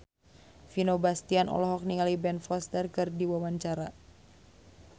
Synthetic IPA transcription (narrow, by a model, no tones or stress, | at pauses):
finobast̪ianʔɔ̰lɔɦɔk̚niŋalibɛnfɔst̪ərkɨrdiwawaɲt͡ʃaɾa